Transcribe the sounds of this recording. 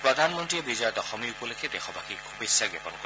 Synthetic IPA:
pɹɔd̪ʱanmɔnt̪ɾiebizɔɔd̪ɔxɔmiupɔlekʰed̪exɔbakikʰubesːaɡɔpɔnkɔ

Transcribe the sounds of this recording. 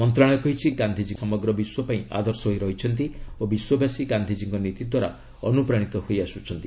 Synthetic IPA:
mɔnt̪ɾaɽ̃ekɔɦit͡ʃʰiɡand̪ʱid͡ʒisɔmɔɡɾɔbiswɔpaĩʔa̰d̪ʱɔɾsɔɦoiɾɔɦit͡ʃʰɔnt̪̬iobiswɔbasiɡand̪ʱid͡ʒiŋkɔnit̪id̪ʱwaɾa̰ | ɔnupɾaɽ̃it̪ɔhojasut͡ʃʰɔnt̪i

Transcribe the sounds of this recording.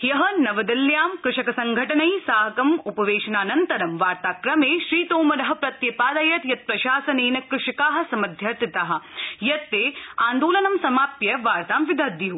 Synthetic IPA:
jɐɦɐ̆nɐʋɐd̪ɐljaːmkɾɪʂɐkɐsɐŋɡʱɐʈɐnɐjsaːɦɐkɐmupɐʋeːʃɐnaːnɐnt̪ɐɾɐmʋaːɾt̪aːkɾɐmeːʃɾiːt̪oːmɐɾɐɦɐ̆pɾɐt̪jɐpaːd̪ɐjɐt̪jɐt̪̚pɾɐʃaːsɐneːnɐkɾɪʂɐkaːɦɐ̆sɐmɐd̪ʱjɐɾt̪it̪aːɦɐ̆jɐt̪ːeːaːnd̪oːlɐnɐmsɐmaːpjɐʋaːɾt̪aːmʋid̪ʱɐd̪iɦu

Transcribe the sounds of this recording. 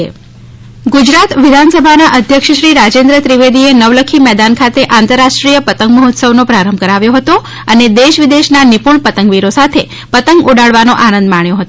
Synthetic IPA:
ɡud͡ʒɾat̪ʋid̪ʱansəbʱanaʔəd̪ʱjəkʃəʃɾiɾad͡ʒend̪ɾət̪ɾiʋed̪ienəʋləkʰimɛd̪ankʰat̪eʔãnt̪əɾːaʃʈɾijəpət̪əŋɡməɦot̪səʋnopɾaɾəmbʱkəɾaʋjoɦət̪o | əned̪eʃʋid̪eʃnanipuɳ̃pət̪əŋɡʋiɾosat̪ʰe | pət̪əŋɡuɽaɭʋanoʔanə̃nd̪maɳ̃joɦət̪o

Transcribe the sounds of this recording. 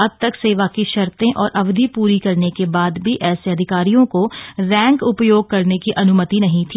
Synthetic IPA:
ɐb̚t̪ɐkseːʋakiʃɐɾt̪ẽʔɔːɾʔɐʋd̪ʱipuːɾikɐɾnekebaːd̪bʱiʔɛːseɐd̪ʱɪkaːɾijõkoɾɛ̃ːŋkʊpjoːɡ̚kɐɾnekiʔɐnʊmət̪inɐɦĩt̪ʰiː

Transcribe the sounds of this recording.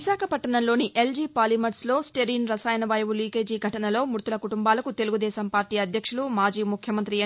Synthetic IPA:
isaːkʰɐpɐʈːɐnɐnlo̞ːniʔe̞ld͡ʒiːpaːlimɐɾslo̞ːsʈeɾinɾɐsaːjɐnɐʋɐːjɐʋuliːkeːd͡ʒiːɡʱɐʈɐnɐlo̞ːmuɾt̪ulɐkuʈumbaːlɐkut̪e̞luɡud̪ɛːsɐmpaːɾʈiːɐd̪ʱjɐkʂulumaːd͡ʒiːmukʰjɐmɐnt̪̬ɾi

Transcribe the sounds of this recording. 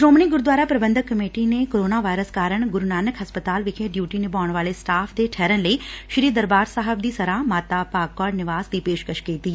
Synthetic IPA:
sɾoːmniɡʊɾd̪ʋaːɾapɾɐbə̃nd̪ʱəkːɐmeːʈinekoːɾoːnaʋaːjɾəskaːɾəɽ̃ɡʊɾnaːnəkɦɐspət̪aːlʋɪkʰeːʈɖjuːʈinẽbaːɳ̃ʋaːlesʈaːfd̪eʈʰɛːɾənləiʃɾiːd̪ɐɾbaːɾsaːɦəb̚d̪isɐɾãːmaːt̪apaːkːɔːɖnɪʋaːzd̪iːpeːʃkəʃkeːt̪iː

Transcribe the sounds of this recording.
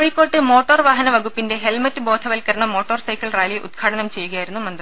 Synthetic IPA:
oɻikːo̞ːʈːɨmo̞ːʈːɐrʋaːɦɐnɐʋɐɡupːinde̞ɦelmɐtːɨbo̞ːd̪ʰʱɐʋɐlkɐɾɐɳɐmːo̞ːʈːɐrsɐjkːɐɭraːjliʔṵt̪kʰaːʈɐnɐmt͡ɕe̞jːuɣɐjaːjiɾunːumɐnd̪r

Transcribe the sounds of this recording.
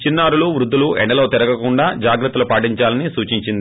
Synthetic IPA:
t͡ʃinːaːɾuluʋɾud̪ʱːuluɛɳːɐlo̞ːt̪iɾɐɡɐkuɳɖaːd͡ʒaːɡɾɐt̪ːɐlupaːʈiɲt͡ʃaːlɐnisuːt͡ʃiɲt͡ʃind̪

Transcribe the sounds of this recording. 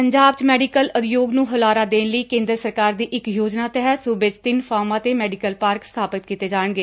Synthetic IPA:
pəɲd͡ʒaːbt͡ʃmɛːɖikəlʊd̪joːɡnũːɦʊlaːɾaːd̪eːnləiːkẽːnd̪ɾəsəɾkaːɾd̪iːʔɪkjoːd͡ʒnaːt̪ɛɦət̪suːbɪt͡ʃt̪ɪnfʰaːɾmãːt̪eːmɛːɖɪkəlpaːɾkst̪ʰaːpɪt̪̚kiːt̪eːd͡ʒaːəɳɡeː

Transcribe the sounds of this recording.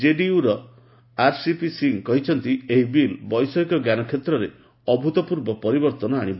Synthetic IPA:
d͡ʒeɖiuɾɔ | aɾsipisiŋkɔɦit͡ʃʰɔnt̪ieɦibilbɔjsɔikɔɡjanɔkʰjet̪ɾɔɾe | ɔbʱut̪ɔpuɾbɔpɔɾibɔɾt̪ɔnɔaɽ̃ib

